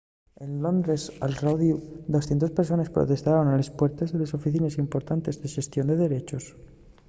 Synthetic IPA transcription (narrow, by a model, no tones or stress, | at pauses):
e̞nlo̞nd̪ɾe̞sa̰lrawðjud̪o̞sθje̞nt̪ospeɾso̞nespɾo̰t̪e̞st̪aɾo̞nalespwe̞ɾt̪ezðeleso̞fiθinesimpo̞ɾt̪ant̪e̞zðeʃe̞st̪jo̞nd̪eðe̞ɾe̞t͡ʃo̞s